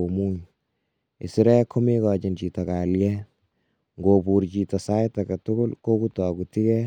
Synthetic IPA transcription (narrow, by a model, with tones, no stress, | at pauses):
o˨mu˦ɲ | ḛ˨si˦ɾɛ˦kʰo˦me˦kɔː˨t͡ʃint͡ʃi˨ta˨ka˨ljɛ˦ | ŋɡobu˨ɾt͡ʃi˨ta˨sa˦jtakɐtʊ˦ɡʊ˦lko˦kutɔ˨kuti˦kɛ˦